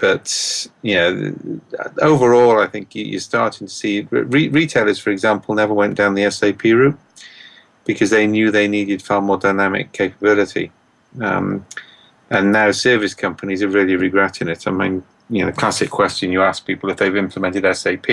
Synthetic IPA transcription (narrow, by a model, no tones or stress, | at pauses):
b̥ʌtjæ̰ | oʊvə˞ɔːlˠaɪθɪ̃ŋkjɨ̰jə̰stɑɹtɪ̃ŋtʰə̥sḭɹiɹitʰeɪlˠə˞z̥fə˞ɨɡzãmpʰəl̩ˠnɛvə˞wɛ̃nd̥ãʊ̃nðiɛseɪpʰiɹʉˑt̚ | b̥ɨkʰʌzðeɪnjʉːðeɪniːdɨd̥fɑɹmɔːdaɪnæmɪ̰kʰːeɪpəbɪlˠɨtḭ | ʌ̰̃m | ə̃nːaʊsɜ˞vɨskʰʌ̃mpənizəɹɪlˠiɹɨɡɹɛtɪ̃ŋɪtãɪmĩn | jɨnoʊðəkʰl̥asɪkʰw̥ɛst͡ʃɨ̃njəask̚pʰiˑpəl̩ˠɨfðeɪvɪ̃mpʰləmɛ̃ntɨɾɛseɪpʰi